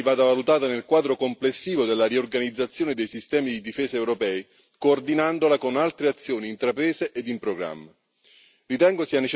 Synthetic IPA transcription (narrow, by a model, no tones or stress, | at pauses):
ivaːd̪avalut̪aːt̪anelkwaːd̪ɾokomplesːiːvod̪elːaɾiorɡanid̪zːat̪sːjoːned̪ejsist̪ɛːmid̪id̪ifeːsaewɾopɛːi | koːrd̪inand̪olakonalt̪ɾeat̪sːjoːniːnt̪ɾapɾɛːzeʔed̪impɾoɡɾa̰mːa | rit̪ɛŋɡosianet͡ʃ